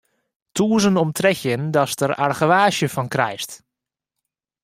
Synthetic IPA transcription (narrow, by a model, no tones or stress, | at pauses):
tʰuːəzənɔmtrɛxjəndɔstəra̰rɣəʋaːʃjəfɔnkrɛ̰jst